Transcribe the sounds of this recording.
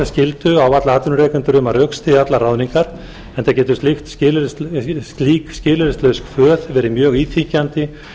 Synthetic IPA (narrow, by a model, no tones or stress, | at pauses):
ascɪlt̪ʏawat̪laaːt̪ʏnʏɾɛːkʏnt̪ʏɾʏmaɾœkst̪ɪat̪laraːwniŋkaɾ̥ | ɛnacɛːt̪ʏst̪lɪxt̪scɪːl | liːkscɪːlʏɾɪst̪lœskfœːðvɛːɾɪmjœːɣiːt̪ʰicant̪ɪ